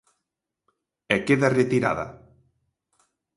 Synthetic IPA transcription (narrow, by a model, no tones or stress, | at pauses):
ekeðaret̪iɾa̰ða̰